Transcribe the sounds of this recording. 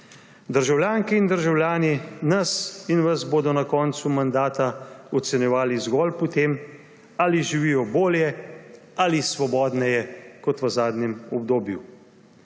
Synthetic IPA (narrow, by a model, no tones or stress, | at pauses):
d̪əɾʒawljaːŋkɛind̪əɾʒawljaːninɐsinʋɐzboːd̪ɔnakɔːnt̪sumand̪aːt̪aɔt̪sɛnjɛʋaːlizɡɔːlpɔt̪eːm | aːliʒiʋiːjɔboːljɛ | alisʋɔbɔːd̪nɛjɛkɔt̪ʋəzaːd̪nʲɛmɔbd̪oːbju